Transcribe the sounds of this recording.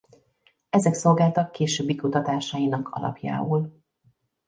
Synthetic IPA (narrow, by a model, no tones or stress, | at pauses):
ɛzɛkso̞lɡaːlt̪ɒkːeːʃøːbːikut̪ɒt̪aːʃaːjinɒkɒ̰lɒ̰pja̰ːoːl